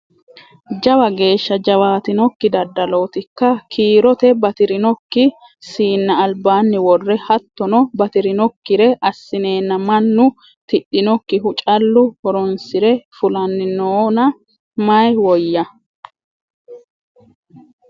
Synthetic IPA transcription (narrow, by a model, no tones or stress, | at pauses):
d͡ʒɐwɐɡe̞ːʃːɐd͡ʒɐwaːt̪ɪnɔkːɪd̪ɐd̪ːɐlo̞ːt̪ɪkːɐkʰiːɾɔt̪ɛbɐt̪ɪɾɪnɔkːɪ | siːnːɐːlbaːnːɪwɔrːɛhɐt̪ːɔnɔbɐt̪ɪɾɪnɔkːɪɾɛʔɐsːɪne̞ːnːɐmɐnːʊ | t̪ɪɗːɪnɔkːɪhʊt͡ʃʼɐlːʊhɔɾɔnsɪɾɛfʊlɐnːɪnoːnɐ | mɐjwɔjːɐ